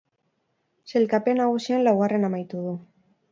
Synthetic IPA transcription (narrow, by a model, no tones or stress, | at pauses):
selkapenaɣusjonlaɣarenamajt̪uðu